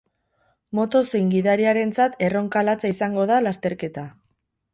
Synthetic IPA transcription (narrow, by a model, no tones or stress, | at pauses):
mo̞t̪o̞sejŋɡiðaɾiaɾe̞nt͡sat̪e̞ro̞ŋkalat͡saisaŋɡo̞ðalast̪e̞ɾke̞t̪a